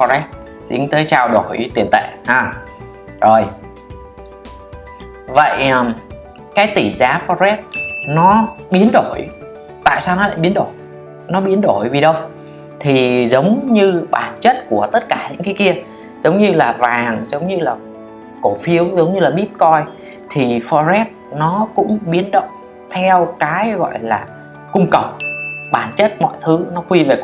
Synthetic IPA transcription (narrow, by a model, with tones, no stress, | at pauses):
fɔ˧zɛ˦˥p̚ | ɗï˨˦ŋ̟t̪əː˨˦jt͡ɕaː˧wɗo˧˩jt̪i˨˩ənt̪ḛ˧˨haː˧˩ | zo˨˩j | və̰˧˨jm | kaː˨˦jt̪i˧˩zaː˨˦fɔ˧ɛ˦˥p̚nɔ˨˦ɓi˨˦ənɗo˧˩j | t̪a̰ː˧˨jsaː˧wnɔ˨˦la̰ː˧˨jɓi˨˦ənɗo˧˩j | nɔ˨˦ɓi˨˦ənɗo˧˩jvi˨˩ɗə˧w | t̪ʰi˨˩zə˨˦wŋ͡mɲɨ˧ɓaː˧˩nt͡ɕə˦˥t̚ku˧˩ət̪ə˦˥t̚kaː˧˩ɲɨ̰˧˥ŋkaː˨˦jki˧ə | zə˨˦wŋ͡mɲɨ˧laː˨˩vaː˨˩ŋzə˨˦wŋ͡mɲɨ˧laː˨˩ | ko˧˩fi˨˦əwzə˨˦wŋ͡mɲɨ˧laː˨˩ɓi˦˥p̚kɔ˧j | t̪ʰi˨˩fɔ˧zɛ˦˥t̚nɔ˨˦kʊ̰˧˥ŋ͡mɓi˨˦ənɗə̰˧˨ | t̪ʰɛ˧wkaː˨˦jɣɔ̰˧˨jlaː˨˩ | kʊ˧ŋ͡mkə˨˩wk͡p̚ɓaː˧˩nt͡ɕə˦˥t̚mɔ̰˧˨jt̪ʰɨ˨˦nɔ˨˦kwi˧ve˨˩